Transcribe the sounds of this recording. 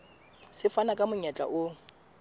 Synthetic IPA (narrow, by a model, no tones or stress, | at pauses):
sɪfanakʼamʊɲat͡ɬʼa̰ʔʊ